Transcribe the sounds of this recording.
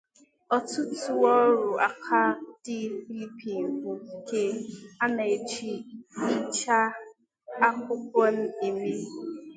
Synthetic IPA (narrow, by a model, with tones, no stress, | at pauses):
ɔ˦tʊ˦tu˨ɔ˦ɾʊ˨a˨kʰa˦d̥ɪ˦fi˦li˦pi˨ŋ̩˨kʷʊ˦ke˦a˦na˨e˨t͡ʃi˦n̩˦t͡ʃa˦ | a˦kʷʊ˦k̚ʷɔ˦n̩˦i˨mi˦